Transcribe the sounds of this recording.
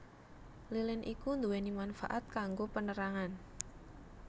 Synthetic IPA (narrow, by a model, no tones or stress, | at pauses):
lilɪnʔikund̪uwenimanfa̰ʔat̪̚kaŋɡopənəɾaŋan